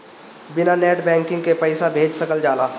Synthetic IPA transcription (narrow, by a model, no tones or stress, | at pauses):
bɪnaneːʈbɛ̃ːŋkɪ̃ŋɡkepəɪsabʱeːd͡ʒsɐkəld͡ʒaːlaː